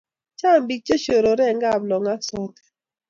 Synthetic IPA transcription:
t͡ʃa˦˨mbi˨t͡ʃe˦ʃo˨ɾo˨ɾɛ˦˨ŋɡa˦˨blɔ˨ŋa˦sɔ˦tɛ̥˨

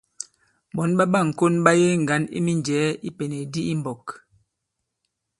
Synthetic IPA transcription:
ɓɔ˨˦nɓa˦ɓa˦˨ŋ̩˨ko˦nɓa˦je˦ŋ̩˨ɡa˨˦nḭ˦mi˦nd͡ʒɛː˨˦i˦pe˨ne˨di˦i˦mbɔ˨k

